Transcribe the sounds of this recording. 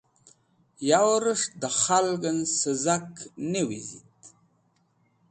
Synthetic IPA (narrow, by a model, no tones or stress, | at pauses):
jawɾəʂd̪əχalɡənsəzaknewizit̪